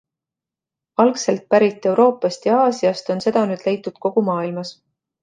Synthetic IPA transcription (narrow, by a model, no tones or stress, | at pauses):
ɑlkse̞lt̪̚pæɾit̪ːˑe̞wɾo̞ːpɑst̪jɑɑːsiɑst̪o̞nse̞d̪̥ɑnyːd̪le̞jt̪ːˑud̪̥ko̞ɡ̥umɑːilmɑs